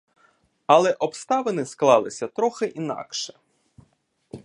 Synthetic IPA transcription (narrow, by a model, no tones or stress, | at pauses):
ɐlˠɛʔɔpst̪ɑʋenɪsklˠɑlˠɪsʲɐt̪ɾɔxɪʔinɑ̰kʃɛ̥